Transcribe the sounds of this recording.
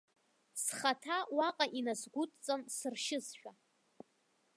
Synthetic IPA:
sχatʰawaqʼaʔinasɡʷʊtʼt͡sʼansɨrʃɪsʃᶣa

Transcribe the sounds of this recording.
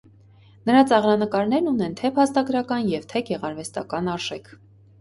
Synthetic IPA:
nəɾɑt͡sɑʁɾɑnəkɑɾnɛɾnunɛnt̪ʰɛpʰɑst̪ɑɡɾɑkɑnjɛvt̪ʰɛɡɛʁɑɾvɛst̪ɑ̰kɑnɑɾʒ̥ɛkʰ

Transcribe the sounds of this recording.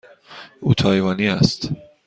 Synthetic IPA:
ʔuːt̪ʰɒːjvɒːniːæst̪

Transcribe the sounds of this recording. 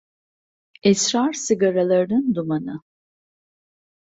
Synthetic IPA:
ɛsɾaɾsiɡaɾalˠaɾɯnɯnd̪umanɯ

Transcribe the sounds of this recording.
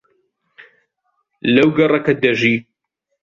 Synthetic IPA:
lɐwɡɐrˤɐkɐd̪ɐʒiː

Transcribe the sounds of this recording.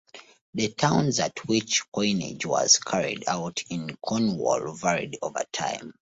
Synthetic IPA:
ðətʰãʊ̃nzatʰwit͡ʃkʰɔ̃ɪ̃nḛd͡ʒwɔ̰z̥kʰaɹḭdaʊtʰĩnkʰɔ̃nwɔ̰lvɛɹḭdovə̰tʰã̰ɪ̃m

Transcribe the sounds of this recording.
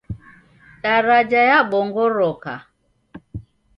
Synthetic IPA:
taɾad͡ʒajaɓɔŋɡɔɾɔka̰

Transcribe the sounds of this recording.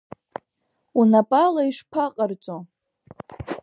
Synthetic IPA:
unapʼalaiʂpʰaqʼərt͡sʼo

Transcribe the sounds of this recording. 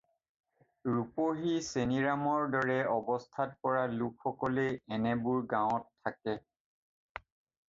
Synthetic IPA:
ɹupoɦiseniɹamɔɹdɔɹɛɔbɔstʰat̚pɔɹalukʰxɔkɔleɛnɛbʊɹɡãʊɔtʰːakɛ

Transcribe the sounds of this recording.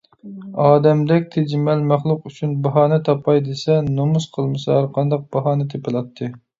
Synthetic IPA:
ɑːd̪ɛmd̪ɛkʲt̪ʰed͡ʒmɛlmæχlˠʊqyt͡ʃʰynbɑɦɑːnɨt̪ʰɑpʰɑjd̪esɛnomusqʰəlˠmɨsɑɑɾqʰɑnd̪ɑq̚b̥ɑɦɑːnɨt̪ʰepɪlˠɑt̪ʰːɨ

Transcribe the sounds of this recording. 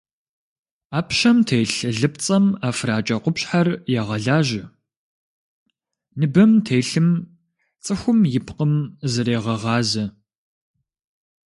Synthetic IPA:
aːpʰɕɐmtʰeːjɬɨɮɨp̚t͡sʼɐmaːfraːt͡ʃʼɐqʷʊpɕħarjɛʁɐɮaːʒɪ | nɨbɐmtʰeːjɬɨm | t͡sʼɨxʷʊmjɪpqəmzɐɾeːʁɐʁɑːzɐ

